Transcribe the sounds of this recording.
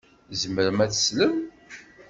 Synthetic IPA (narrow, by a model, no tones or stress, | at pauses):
zəməɾəmæt͡sːə̥sləm